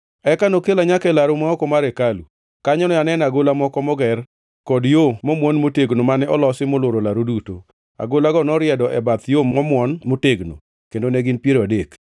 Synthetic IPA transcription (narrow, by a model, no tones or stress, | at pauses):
ɛkanokelaɲakɛlaɾʊmaɔkɔmaɾɛkalu | kaɲɔnɔjanɛnaɡolamɔkɔmɔɡɛr | kɔdjomɔmwɔnmoteɡnomanɛɔlɔsɪmoloɾolaɾoduto | a̰ɡolaɡɔnɔɾɪɛdɔʔɛbat̪jomɔmwɔnmoteɡno̰ | kendonɛɡɪnpjeɾadek